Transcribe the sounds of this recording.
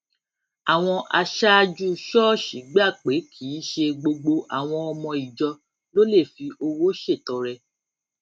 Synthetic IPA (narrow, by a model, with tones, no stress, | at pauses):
a˨w̃ɔ̃˧ʔa˧ʃa˦˧d͡ʒu˦ʃɔ˦ʃi˨˦ɡ͡ba˦˨k͡pe˨˦kʰi˨˦ʃe˧ɡ͡bo˧ɡ͡bo˧ʔa˨w̃ɔ̃˧ɔ˧mɔ̃˧i˨d͡ʒɔ˧ | lo˦le˦˨fi˧ʔo˧wo˦ʃe˦˨tɔ˨˦ɾɛ˧